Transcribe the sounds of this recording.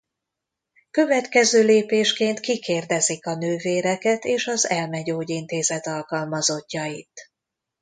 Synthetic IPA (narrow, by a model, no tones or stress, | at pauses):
kø̞vɛt̪kɛzøːleːpeːʃkeːnt̪kikeːrd̪ɛzikɒnøːveːɾɛkɛt̪eːʃɒzɛlmɛɟoːɟint̪eːzɛt̪ɒlkɒlmɒzo̞cːɒjit̪